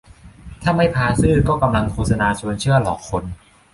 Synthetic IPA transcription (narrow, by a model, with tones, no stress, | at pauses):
t̪ʰaː˥˩ma˥˩jpʰaː˧sɯː˥˩kɔː˥˩ka˧mla˧ŋkʰoː˥˩sa˧naː˧t͡ɕʰu˧ənt͡ɕʰɯ˥˩ɐlɔː˨˩˦kʰːo˧n